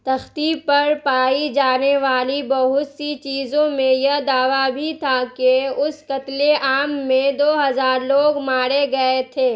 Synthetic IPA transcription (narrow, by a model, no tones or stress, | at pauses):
t̪ɐxt̪ipɐɾpaːid͡ʒaːneʋaːlibɐɦʊt̪sit͡ʃiːzõmẽjɐɦd̪aːʋabʱit̪ʰakeʊskɐt̪leʔaːmːẽd̪oːɦɐzaːɾloːɡmaːɾeɡɐet̪ʰeː